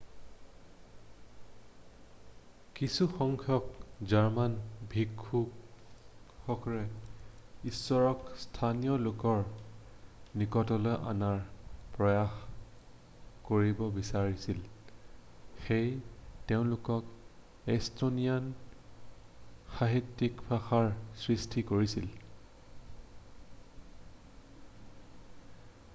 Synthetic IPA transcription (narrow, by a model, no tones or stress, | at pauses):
kisuxɔŋkʰjɔkzaɹmanbʱikʰːu | xɔkɔɹɛ | isːɔɹɔkstʰanijɔlʊkɔɹ | nikɔtɔlɔjʔa̰naɹpɹɔjax | koɹibɔbisaɹisil | xejteʊ̃lʊkɔk | estonijan | xaɦitːikpaxaɹsɹistʰikoɹisil